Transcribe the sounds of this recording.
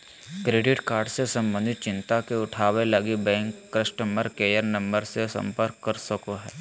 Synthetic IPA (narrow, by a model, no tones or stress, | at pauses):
kɾeːɖɪʈkaːɾɖsesɐ̃mbə̃nd̪ʱɪt̪̚t͡ʃɪ̃nt̪akeʊʈʰaːʋelɐɡibɛ̃ːŋkːɾəʃʈəməɾkeːjəɾnɐ̃mbəɾsesɐ̰̃mpəɾkːɐɾsɐkoɦɛː